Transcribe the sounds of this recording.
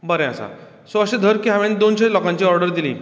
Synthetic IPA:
bəɾɛ̃asa̰ | soəɕed̪ʱəɾkiɦaʋenid̪onɕelɔkãɲt͡ɕiːɔɾɖəɾd̪ilḭː

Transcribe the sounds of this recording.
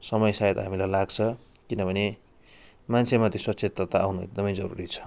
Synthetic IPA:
sʌmʌjsajt̪ɦamilajlaɡt͡sʰʌkinʌbʱʌne | mansʰemat̪ʰisʌtːsʰet̪ːʌt̪aawnuḛɡ̚d̪ʌmʌjd͡zʌɾṵɾit͡sʰʌ̥

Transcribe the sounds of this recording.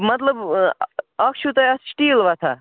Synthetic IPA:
mɐt̪ləb | ɐkʰt͡ʃʰut̪ɐɐssʈilʋat̪ʰa

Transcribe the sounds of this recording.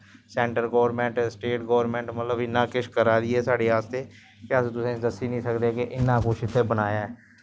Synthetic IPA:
sɛ̃ːɳʈəɾɡoːʋəɾmɛ̃ːɳʈːsʈeːʈɡoːʋəɾmɛ̃ːɳʈmət̪ləbɪnːãːkɪʃkəɾaːd̪ɪːɛːsaːɽeːaːst̪eː | kɪəst̪ʊsẽd̪əsiːnĩːsəkd̪eːkeʔɪnːãːkʊt͡ʃʰɪt̪ʰːeːbənaːjaːɛː

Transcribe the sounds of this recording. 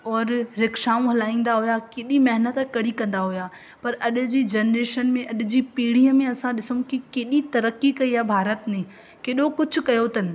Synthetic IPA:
ɔːɾɾɪkʃaːũɦɐlaːĩːnd̪aɦʊjakɪɗimɐɦɪnət̪kɐɽ̤ikɐ̃nd̪aɦʊjaː | pɐɾɐɗʊ̆d͡ʑiːd͡ʑɐːnɾeːʃənmẽʔɐɗʊ̆d͡ʑiːpiːɽ̤ijəmẽɐsãɗɪsũkɪkeːɗit̪ɐɾəkikɐiabʱaːɾət̪nẽ | keːɗokʊd͡ʑʱʊ̆kɐjot̪ɐnɪ̆

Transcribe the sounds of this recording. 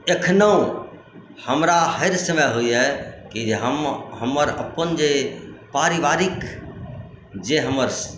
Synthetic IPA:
ekʰnəũ | həmɾaɦəɾsəmɛɦujɦɛkiɦəmɦəməɾəpənd͡ʒepaɾiʋaɾɪk | d͡ʒeɦəməɾ

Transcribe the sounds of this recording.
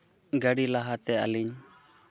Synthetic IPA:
ɡaɽilaɦat̪ɛa̰liɲ

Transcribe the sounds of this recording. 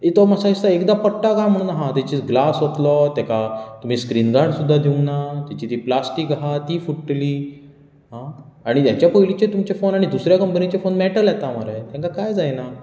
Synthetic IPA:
it̪ɔmasaist̪aekd̪apəʈakam̤əɽ̃uːnaɦãt̪at͡ɕiɡlasɦot̪lɔt̪jãkat̪um̤iskɾinɡaɳsud̪ʱːad̪ʱeunat̪jat͡ɕit̪iːplasʈikɦat̪iːfuʈʈliː | ɦãaɽ̃it̪jat͡ɕjapəjlit͡ɕet̪umt͡ɕefonaɽ̃id̪usɾjakəmpənit͡ɕefonmɛʈəljɛt̪amaɾaet̪jãŋkakajd͡zajna

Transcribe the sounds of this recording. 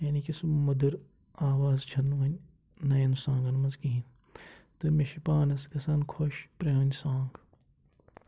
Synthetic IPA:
jaːniːkismmud̪ɨɾ | aːʋaːzt͡ʃʰɐnːuɐnʲ | nɐjɐnsãːŋɡɐnmɐzɡiɦin | t̪ɨmeʃipaːnɐsɡɐsɐnkʰoʃpɾeɦɐnʲsãːŋɡ

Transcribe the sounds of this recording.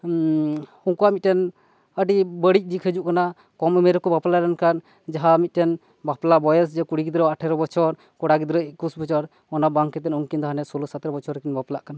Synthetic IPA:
uŋkuaʔmit̪̚ʈɛn | əɖibəɽic̚ˀd̪ikʰəd͡ʒuʔkana | kɔməmɛɾɛkɔbaplalɛnkan | d͡ʒaɦamit̪̚ˀʈɛn | baplabɔjɛs̬d͡ʒɛkuɽiɡid̪ɾɔaʈʰɛɾɔbɔt͡ʃʰɔɾ | kɔɽaɡid̪ɾɔikusbɔt͡ʃɔɾ | ɔnabaŋkɛt̪ɛnɔŋkind̪aɦanɛsɔlɔsat̪ɾɔbɔt͡ʃʰɔɾɛkinbaplaʔkana

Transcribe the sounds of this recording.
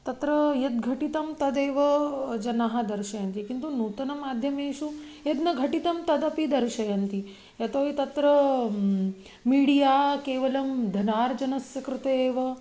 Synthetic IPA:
t̪ɐt̪ɾɐjɐt̪̚ɡʱɐʈit̪ɐmt̪ɐd̪eːʋɐd͡ʒɐnaɦɐd̪ɐɾʃɐjɐnt̪ikint̪unuːt̪ɐnɐmaːd̪ʱjɐmeːʃued̪nɐɡʱɐʈit̪ɐmt̪ɐd̪ɐpid̪ɐɾʃɐjɐnt̪i | jɐt̪oːit̪ɐt̪ɾɐ | miːɽijaːkeːʋɐlɐmd̪ʱɐnaːɾd͡ʒɐnɐsjɐkɾut̪eːʋɐ

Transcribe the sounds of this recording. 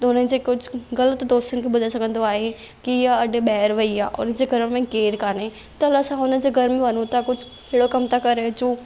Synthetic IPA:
t̪ʊnəɪ̆d͡ʑeːkʊd͡ʑʱʊɣɐlət̪d̪oːst̪ʊnɪ̆kʰeːbʊd̪ʱaesɐɡʱə̃nd̪oaːɦe | kiɪjaɐɖ̆ʱɓɛːɪɾʋɐiaːʔʊ̰nəd͡ʑeːɡʱɐɾmẽkeːɾkaːne | t̪ɐlasãʊnəd͡ʑeːɡʱɐɾmẽʋɐnõt̪ʰakʊd͡ʑʱʊ | keɦɽokɐmt̪ʰakɐɾet͡ɕuː

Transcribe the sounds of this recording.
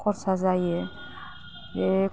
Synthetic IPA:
qʰoɾsazajə

